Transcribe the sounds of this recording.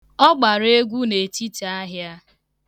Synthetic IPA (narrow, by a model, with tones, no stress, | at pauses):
ɔ˦ɡ͡ba˨ɾe˦ɡʷu˦ne˨t͡ʃi˦ta˦ɦja˦